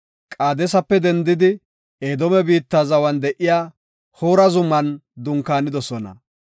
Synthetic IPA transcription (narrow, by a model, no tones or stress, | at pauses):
kʼaːd̪ɛsɐpːɛd̪ɛnd̪ɪd̪ɪ | eːd̪ɔmɛbiːt̪ːazɐwɐnd̪ɛʔɪjaː | hoːɾɐzʊmːɐnd̪ʊŋkːaːnɪd̪ɔsɔnɐ̰